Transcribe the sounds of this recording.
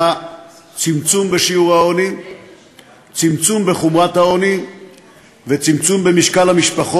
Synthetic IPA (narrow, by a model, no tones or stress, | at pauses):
a | t͡simt͡sumbeʃiuʁhaoni | t͡simt͡sumbe̞χomʁat̪hao̞ni | vet͡simt͡sumbemiʃkalhamiʃpaχo